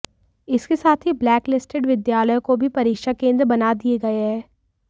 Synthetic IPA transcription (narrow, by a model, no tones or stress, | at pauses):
ɪskesaːt̪ʰɦiblɛːklɪsʈɪɖʋɪd̪jaːləjõkobʱipɐɾiːkʃakẽːnd̪ɾbɐnad̪ieɡɐeɦɛ̃ː